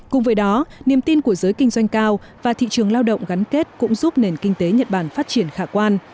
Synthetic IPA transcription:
kʊ˨˩ŋ͡mvəː˨˦jɗɔ˨˦ni˨˩əmt̪i˧nku˧˩əzəː˨˦jkï˧ŋ̟zwa˧jŋ̟kaː˧w | vaː˨˩t̪ʰḭ˧˨t͡ɕɨ˨˩əŋlaː˧wɗə̰˧˨wŋ͡mɣa˨˦nke˦˥t̚kʊ̰˧˥ŋ͡mzu˦˥p̚ne˨˩nkï˧ŋ̟t̪e˨˦ɲə˨˩t̚ɓaː˧˩nfaː˦˥t̚t͡ɕi˧˩ənxaː˧˩kwaː˧n

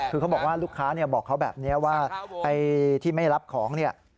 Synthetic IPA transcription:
kʰɯː˧kʰa˦˥wbɔː˨˩k̚waː˥˩luː˥˩kʰːaː˦˥ni˥˩ɐbɔː˨˩kʰːa˦˥wbɛ̰ː˨˩p̚ni˦˥ɐwaː˥˩pa˧jt̪ʰiː˥˩ma˥˩jɾa˦˥p̚kʰɔː˩˦ŋni˥˩ɐ

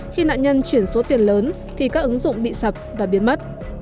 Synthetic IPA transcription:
xi˧na̰ː˧˨nɲə˧nt͡ɕwi˧˩ənso˨˦t̪i˨˩ənləː˨˦n | t̪ʰi˨˩kaː˦˥k̚ʔɨ˨˦ŋzʊ̰˧˨ŋ͡mɓḭ˧˨sə˨˩p̚vaː˨˩ɓi˨˦ənmə˦˥t̚

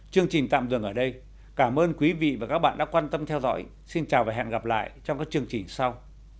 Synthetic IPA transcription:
t͡ɕɨ˧əŋt͡ɕi̟˨˩t̪a̰ː˧˨mɨ˨˩əŋʔəː˧˩ɗə˧j | kaː˧˩mʔəː˧nkwi˨˦vḭ˧˨vaː˨˩kaː˦˥k̚ɓa̰ː˧˨nɗa̰ː˧˥kwaː˧nt̪ə˧mt̪ʰɛ˧wzɔ̰˧˥j | si˧nt͡ɕaː˨˩vaː˨˩ɦɛ̰˧˨nɣa˨˩p̚la̰ː˧˨jt͡ɕɔ˧wŋ͡mkaː˦˥k̚t͡ɕɨ˧əŋt͡ɕï˨˩ŋ̟sa˧w

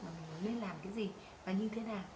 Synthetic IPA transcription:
maː˨˩mï˨˩ŋ̟mə˨˦le˧nlaː˨˩mkaː˨˦jzi˨˩ | vaː˨˩ɲɨ˧t̪ʰe˨˦naː˨˩

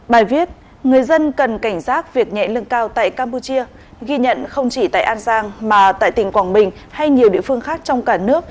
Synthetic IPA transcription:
ɓaː˨˩jvi˦˥ət̚ | ŋɨ˨˩əjzə˧nkə˨˩nka˧˩jŋ̟saː˦˥t̚vi˨˩ək̚ɲɛ̰˧˨lɨ˧ŋkaː˧wt̪a̰ː˧˨jkaː˧mpu˧t͡ɕi˧ə | ɣi˧ɲə̰˧˨nxə˧wŋ͡mt͡ɕi˧˩t̪a̰ː˧˨jʔaː˧nzaː˧ŋmaː˨˩t̪a̰ː˧˨jt̪ï˨˩ŋ̟kwaː˧˩ŋɓï˨˩ŋ̟ | ha˧jɲi˨˩əwɗḭ˧əfɨ˧əŋxaː˦˥k̚t͡ɕɔ˧wŋ͡mkaː˧˩nɨ˦˥ək̚

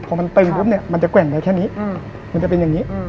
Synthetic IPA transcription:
pʰɔː˧ma˧nt̪ɤ˧ŋbʰu˦˥m̚ni˥˩ɐma˧nt͡ɕa˨˩kwɛ˨˩ŋda˧jkʰɛː˥˩ni˦˥ | ma˧nt͡ɕa˨˩pe˧njaː˨˩ŋːiː˦˥ʔ

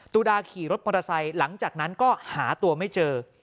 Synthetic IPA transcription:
t̪uː˧daː˧kʰiː˨˩ɾo˦˥t̪̚mɔ˧ɾaː˧sa˧jla˩˦ŋt͡ɕaː˨˩k̚na˦˥nkɔː˥˩haː˩˦t̪u˧ɐma˥˩jt͡ɕɤː˧

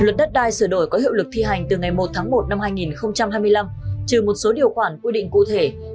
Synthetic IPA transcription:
lwə˨˩t̚ɗə˦˥t̚ɗaː˧jsɨː˧˩ɗo˧˩jkɔ˨˦hḭ˧˨wlɨ˨˩k̚t̪ʰi˧ɦa˨˩jŋ̟t̪ɨ˨˩ŋa˨˩jmo˨˩t̚t̪ʰaː˨˦ŋmo˨˩t̚na˧mhaː˧jŋi˨˩nxə˧wŋ͡mt͡ɕa˧mɦaː˧jmɨ˧əjla˧mt͡ɕɨ˨˩mo˨˩t̚so˨˦ɗi˨˩əwxwaː˧˩nkwi˧ɗḭ˧˨ŋ̟kṵ˧˨t̪ʰe˧˩

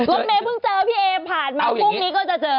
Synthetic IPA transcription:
lo˦˥˦t̚meː˧pʰɯ˦˥˩ŋt͡ɕɤː˧pʰiː˥˩ʔeː˧pʰaː˨˩nmaː˧pʰu˥˩k̚niː˦˥kɔː˥˩t͡ɕa˨˩t͡ɕɤː˧

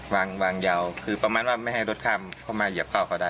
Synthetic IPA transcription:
waː˧ŋwaː˧ŋja˧wkʰɯː˧pa˧maː˧nwaː˧˩ma˥˩jha˥˩jɾo˦˥t̪̚kʰaː˧˩˨mkʰɔː˧˩maː˧ji˧˩p̚kʰa˧˩wkʰa˧˩da˧˥˩j

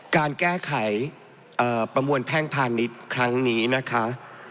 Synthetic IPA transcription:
kaː˧nkɛː˥˩kʰa˩˦j | ʔɤː˨˩pɾa˧mu˧ənpʰɛː˥˩ŋpʰaː˧ni˦˥t̪̚kʰɾa˦˥ŋniː˦˥na˦˥kʰa˦˥ʔ

